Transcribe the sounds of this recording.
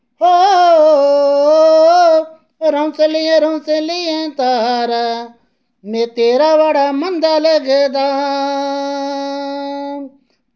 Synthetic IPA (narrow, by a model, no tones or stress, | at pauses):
ɦo | o | ɾə̃sẽːlɪjẽːɾə̃sẽːlɪjẽːt̪aːɦaːɾa | mẽːt̪eːɾaːʋaːɽaːmənd̪aːləɡed̪aː